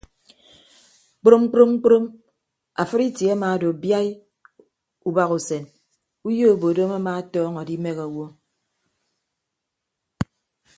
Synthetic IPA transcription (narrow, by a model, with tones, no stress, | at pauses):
k͡pɾo˦mŋ͡m̩˦k͡pɾo˦mŋ͡m̩˦k͡pɾo˦m | a˨fɨ˦ɾi˦tje˨a˦maː˨do˨bja˦j | u˨ba˨ɣu˨se˨n | u˦jo˦o˨bo˨do˦ma˦ma˦tɔː˦ŋɔ˨di˦me˦ɣa˨wo˦